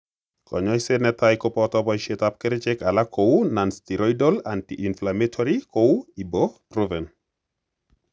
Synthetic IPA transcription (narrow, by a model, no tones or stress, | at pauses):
kɔ̰ɲɔjsenɛtajkɔpɔtɔbɔjʃetap̚kɛɾɪt͡ʃɛkalakʰowunanstiɾɔjdɔlantiʔinflametʰɔɾikowibɔpɾovɛn